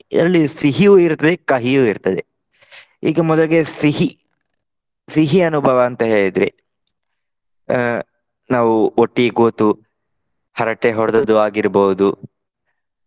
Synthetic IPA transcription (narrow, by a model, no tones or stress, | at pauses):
ḭɾɐlːisiɦijuiɾt̪ɐd̪ekɐɦijuːiɾt̪ɐd̪e | iːɡɐmɔd̪ɐliɡe̞siɦi | siɦiɐnubʱɐʋɐːnt̪ɐɦe̞ːɭid̪ɾḭ | naːʋuoʈːiɡoːt̪u | hɐɾɐʈːeɦɔɽɐd̪ɐd̪uaːɡiɾbowud̪u